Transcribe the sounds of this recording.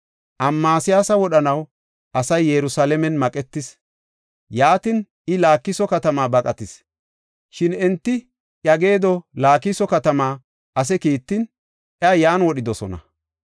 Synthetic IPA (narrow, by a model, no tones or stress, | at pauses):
ʔɐmːaːsɪjaːsɐwɔɗɐnɐw | ʔɐsɐjːɛɾʊsalɛmɛnmɐkʼɛt̪ːɪs | jaːt̪ɪn | ɪlaːkːɪsɔkɐt̪ɐmaːbɐkʼɐt̪ɪs | ʃɪnɛnt̪ːɪ | ʔɐɡe̞ːd̪ɔlaːkːɪsɔkɐt̪ɐmaː | ʔɐs̬ɛkiːt̪ːɪn | ʔɛɐjaːnwɔɗɪd̪ɔsɔnɐ̰